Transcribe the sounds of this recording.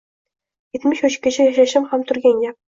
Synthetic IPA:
it̪ʲmʲɘ̆ɕŭɕkʲɘ̆ʑɘ̆ʑĕɕɘ̆mʲχɑmt̪urɡʲenʲːe

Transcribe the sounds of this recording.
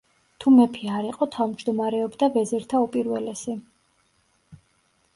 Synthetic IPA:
t̪ʰumɛpʰiaɾiqʼɔt̪ʰavmd͡ʒd̪ɔmaɾɛɔbd̪avɛzɛɾt̪ʰaupʼiɾvɛlɛsi

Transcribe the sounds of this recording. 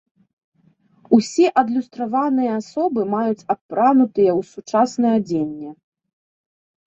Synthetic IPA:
usʲɛʔɐd̪lʲust̪ɾavanɨjɐasɔbɨmajut͡sʲappːɾanut̪ɨjɐwsut͡ʂasnɐjɐd͡zʲenʲːɛ

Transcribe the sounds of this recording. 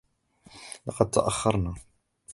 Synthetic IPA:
lɑqɑd̪̚t̪ːa̰ʔaxːɑɾˤna

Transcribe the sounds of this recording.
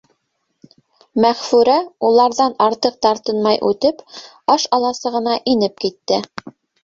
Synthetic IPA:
mæχfʉɾæulˠɑɾðɑnɑɾt̪ɤq̚t̪ɑɾt̪ɤnmɑjʔʉt̪ɘp | ɑʃɑlˠɑsɤ̆ʁɤ̆nɑʔinɘp̚kit̪ːɘ

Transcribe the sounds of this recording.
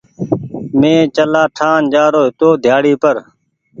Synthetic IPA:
mẽːt͡ʃəlaːʈʰaːnd͡ʒaːɾoːɦɪt̪oːd̪ʱjaːɽiːpəɾ

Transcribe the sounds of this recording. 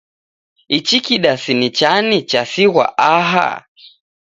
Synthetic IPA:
it͡ʃikiɗasinit͡ʃanit͡ʃasiwa̰aɦa̰

